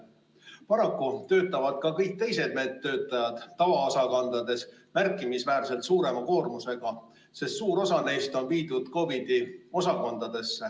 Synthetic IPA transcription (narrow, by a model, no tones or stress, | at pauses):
pɑɾɑkːut̪ø̞ːt̪ːˑɑvɑd̪̥kɑkɤjk̚t̪e̞js̬e̞d̪̚me̞ːt̪ːø̞ːt̪ːˑɑjɑd̪̥t̪ːɑvɑosɑkɑnd̪ɑd̪̥e̞s | mærkːˑimisvæːrse̞lt̪suːɾe̞mɑko̞ːrmuse̞ɡ̥ɑ | se̞st̪suːɾo̞sɑne̞jst̪o̞npiːd̪̥ud̪̥ko̞bid̪̥io̞sɑkond̪ɑd̪̥e̞sːe